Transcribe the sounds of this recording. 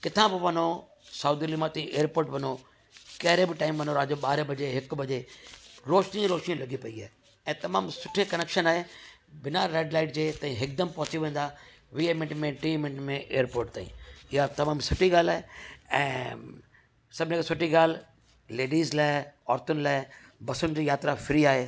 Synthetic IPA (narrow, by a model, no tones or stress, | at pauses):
kɪt̪ʰãbɪʋɐn̤o | saːd̪iliːmat̪ːĩʔeːəɾpoːɾʈʋɐno | kɐɦɪɾebɪʈaːɪmʋɐnoɾaːd͡ʑoɓaːɾebɐd͡ʑeɦɪkbɐd͡ʑeɾoːʃnĩɾoːʃnijũlɐɡipɐiaːe | ɛ̃ːt̪ɐmaːmsʊʈʰekɐneːkʃənaːɦebɪnaɾeːɖlaːɪʈ̚d͡ʑeːt̪ãːĩɦɪkd̪ɐmpɐ̃ɦʊt͡ɕiʋẽːnd̪a | ʋiemɪ̃ʈmẽʈɾimɪ̃ɳʈmẽʔeːəɾpoːɾʈt̪aːḭ̃ːɪɦat̪ɐmaːmsʊʈʰiɡaːl̤aːɦeɛ̰̃ː | sɐbʱɪnekesʊʈʰiɡaːl̤ | leːɖiːzlaːɪɔːɾt̪ʊnɪlaːɪ | bɐsʊnɪ̆d͡ʑiːjaːt̪ɾafɪɾiaːɦeː